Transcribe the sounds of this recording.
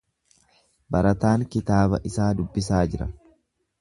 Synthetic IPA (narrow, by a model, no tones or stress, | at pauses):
bɐɾɐt̪aːŋkɪt̪aːbɐʔɪsaːd̪ʊbːɪs̬aːd͡ʒɪɾɐ̰